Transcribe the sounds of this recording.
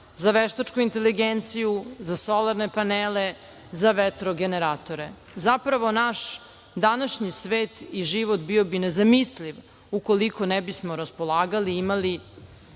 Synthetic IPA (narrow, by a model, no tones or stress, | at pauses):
zaʋeʃt̪at͡ʃkuint̪e̞liɡent̪sijuzasolaɾnepaneːle | zaʋet̪ɾoɡeneɾaːt̪o̞ɾe | zapɾaʋo̞naʃ | d̪anaʃɲisʋeːt̪iʒiʋot̪bio̞binezamisliʋ | uko̞liko̞nebismo̞ɾaspo̞lˠaːɡaliimali